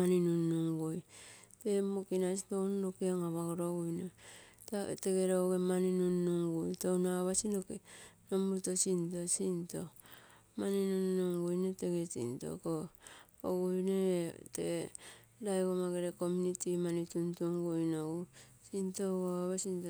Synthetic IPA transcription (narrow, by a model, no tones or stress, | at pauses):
aninunuŋɡujte̞mokinasitonanokiaŋaβaɡoɾoɡujneta̰teɡeɾoɡemaninunːuŋɡujtownaβasinokenomuɾtosintosinto | maninunnuŋɡujneteɡesḭnto̰ko | oɡujnete | dajkomaɡeɾekomunitimanituntuŋɡujnoɡusintoɡoaβasinto